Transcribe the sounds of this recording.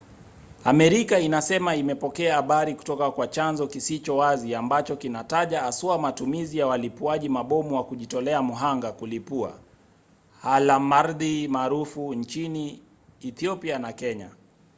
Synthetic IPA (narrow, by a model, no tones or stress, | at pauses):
amɛɾikainasɛmaimɛpɔkɛaːɓaɾiku̥tɔkakwat͡ʃanzɔkisit͡ʃɔwaziambat͡ʃɔkinataʄaːsuamatumizijawalipuaʄimaɓɔmuwakuʄitɔlɛamuɦaŋɡakulipua̰ | halamaɾðimaːɾufuɲt͡ʃiniː | θiɔpianakɛɲa